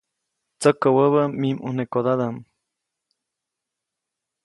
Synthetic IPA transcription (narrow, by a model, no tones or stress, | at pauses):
t͡səkəwəβəmimʔṵnekod̪ad̪am